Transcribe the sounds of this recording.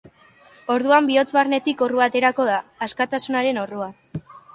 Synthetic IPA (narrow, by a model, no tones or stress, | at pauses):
o̞ɾðuambio̞t͡sβarne̞t̪iko̞ruat̪e̞ɾako̞ð̞aːskat̪asunaɾe̞no̞rua